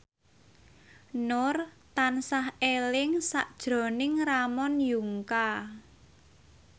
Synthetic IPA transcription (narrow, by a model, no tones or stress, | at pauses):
nʊrt̪ansahelɪŋsa̰ʔd̥ʒ̥ɾɔ̤nɪŋramɔnjuŋka